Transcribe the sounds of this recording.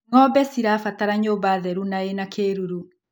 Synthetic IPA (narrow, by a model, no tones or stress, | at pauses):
ŋɔbɛsiɾaːfataɾaɲoːbaðɛɾunaenakʰeːɾuɾu